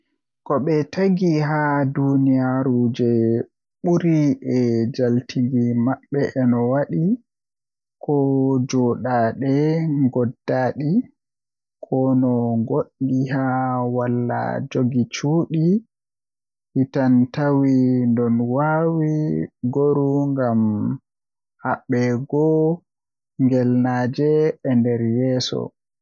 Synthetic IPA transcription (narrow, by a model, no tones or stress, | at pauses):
kɔɓɛtaɡiɦadunijaɾud͡ʒɛ | ɓuɾiʔɛd͡ʒaltʰiɡimaɓːɛʔɛnɔwaɗi | kʰɔd͡ʒɔɗaɗɛŋɡɔdːaɗi | kʰɔnɔŋɡoɗihawalːa̰d͡ʒoɡit͡ʃuːɗi | hitantawindɔnwaːwiɡoɾuŋɡam | haɓːɛɡɔ | ŋɡɛlnaːd͡ʒɛɛndɛɾjɛːsɔ̰